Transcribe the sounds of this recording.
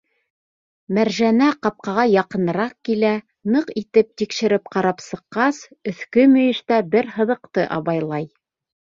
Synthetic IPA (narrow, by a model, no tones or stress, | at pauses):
mæɾʒænæqɑp̚qɑʁɑjɑqɤ̆nɤ̆ɾɑq̚kilæ | nɤqit̪ɘp̚t̪ikʃɘ̆ɾɘp̚qɑɾɑpsɤ̆qːɑs | ɵ̆θkɵmɵ̆jɘ̆ʃt̪æbɘɾɦɤ̆ðɤ̆qt̪ɤʔɑ̰βɑjlˠɑj